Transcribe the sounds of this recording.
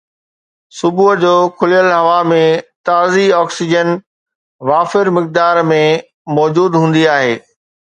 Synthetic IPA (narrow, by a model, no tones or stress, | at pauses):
sʊbuɦd͡ʑoːkʰʊlijəlɦɐʋamẽt̪aːziɔːksɪd͡ʑən | ʋaːfɪɾmɪk̚d̪aːɾmẽ | mɔːd͡ʑuːd̪ɦũːn̆d̪iaːɦeː